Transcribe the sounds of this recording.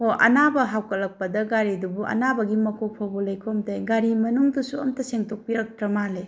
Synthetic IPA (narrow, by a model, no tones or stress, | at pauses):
hoɐ̰nabɐɦawkɐlɐk̚pɐdɐɡaɾidubuʔɐ̰nabɐɡimɐkʰopʰobolɐjkʰomtɐjɡaɾimɐnuŋdusuɐ̰mtɐseŋtʰok̚piɾɐk̚tɾɐmale